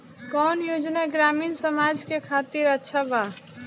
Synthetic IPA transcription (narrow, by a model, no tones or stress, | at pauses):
kɔːnjoːd͡ʒneɡɾaːmiːnsəmaːd͡ʒkekʰaːt̪iɾətːʃʰabaː